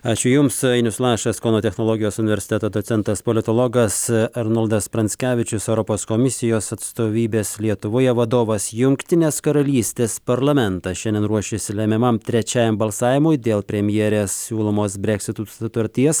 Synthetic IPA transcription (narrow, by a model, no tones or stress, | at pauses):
ɑːt͡ʃʲʊjʊmsɐɪnʲʊslˠɑːʃɐskoːnoːt̪ʲɛxnoːlˠoːɡʲɪjoːsʊnʲɪʋʲɛɾʲsʲɪt̪ʲɛt̪oːd̪ot̪sʲɛnt̪ɐspolʲɪt̪oːlˠoɡɐsɐɾnɐlˠd̪ɐspɾɐnʲsʲkʲæːʋʲɪt͡ʃʲʊsɛʊɾɔpoːskomʲɪsʲɪjoːsɐt̪st̪oːʋʲiːbʲeːslʲiɛt̪ʊʋoːjɛʋɐd̪oːʋɐsjʊŋkt̪ʲɪnʲeːskɐɾɐlʲiːsʲt̪ʲeːspɐɾlˠɐmʲɛnt̪ɐʃʲɛnd̪ʲɛnɾuɔʃʲesʲɪlʲɛmʲɪmɐmt̪ʲɾʲɛt͡ʃʲæːjɛmbɐlˠsɑːʋʲɪmʊɪd̪ʲeːlˠpʲɾʲɛmʲjɛɾʲeːssʲuːlˠomoːsbʲɾʲɛksʲɪt̪usʊt̪ɐɾʲt̪ʲiɛs